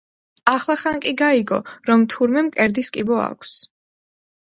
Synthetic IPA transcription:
aχlˠaχankʼiɡaiɡɔ̰ɾɔmt̪ʰuɾmɛmkʼɛɾd̪iskʼibɔa̰kʷʰs

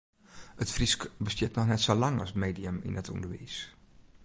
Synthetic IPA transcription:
ətfriskbəstɪːtnɔχnɛtsolɑŋɑ̰smejdiəmɪ̰nətɔ̰ndəɹʋḛjs

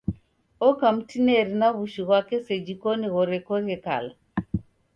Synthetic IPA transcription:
ɔkam̩tinɛɾinaβuʃiɣwakɛsɛd͡ʒikɔniɣɔɾɛkɔɣɛka̰la

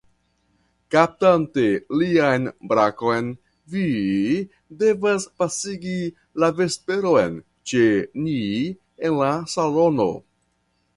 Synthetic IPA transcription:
kap̚tante̞liajnbɾako̞jn | vi | de̞vaspasiɡi | lave̞spe̞ɾo̞jn | t͡ʃe̞ni | enlasalo̞no̞̰

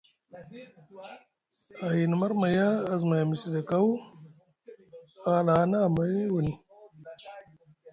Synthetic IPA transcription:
aɦinmɐɾmɐjaːzmajamisid̪ekaw | aːlaːnamɐjwuni

